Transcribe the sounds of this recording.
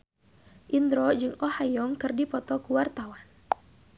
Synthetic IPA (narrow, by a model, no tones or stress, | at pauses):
ʔind̪ɾɔd͡ʒɨŋɔhajɔŋkɨrdipɔt̪ɔkuwart̪awan